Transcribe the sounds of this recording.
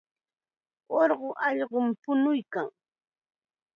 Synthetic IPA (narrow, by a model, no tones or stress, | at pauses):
oɾɢoʔɑʎɢompʊnʊjkaŋ